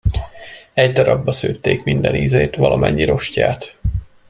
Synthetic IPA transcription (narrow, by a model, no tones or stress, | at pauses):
ɛɟd̪ɒɾɒbːɒsøːt̪ːeːkmind̪ɛnizeːt̪ʋɒlʔɒmɛɲːiɾo̞ʃcaːt̪